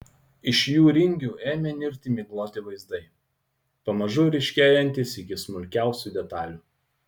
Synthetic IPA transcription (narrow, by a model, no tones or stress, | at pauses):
ɪʃjuːɾʲɪŋʲɡʲuːeːmʲɛnʲɪɾʲt̪ʲɪmʲɪɡlˠoːt̪ʲɪʋɐɪzd̪ɐɪ | pɐmɐʒʊɾʲɪʃʲkʲeːjɛnʲt̪ʲɪsɪkʲɪsmʊlʲkʲæˑʊsʲuːd̪ʲɛt̪ɑːlʲuː